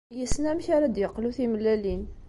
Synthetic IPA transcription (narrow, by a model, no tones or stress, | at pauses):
jəsnæmçaɾad̪jəqːluθimlːælin